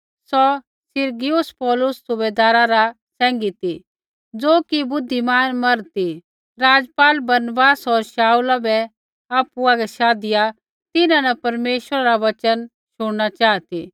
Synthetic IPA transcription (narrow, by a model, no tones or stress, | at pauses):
sɔ | sɪɾɡɪjʊspɔːlʊsːʊbeːd̪aːɾaɾa | sɛ̃ːŋɡit̪i | d͡zoːkibʊd̪ʱːimaːnmɐɾt̪i | ɾaːd͡zpaːlbɐɾnəbaːsɔɾʃaːulabɛ | aːpuaɡɛʃaːd̪ɪja | t̪ɪnãnɐpɐɾmeːʃəɾaɾaʋɐt͡ʃən | ʃʊɽnat͡ʃaːt̪ḭ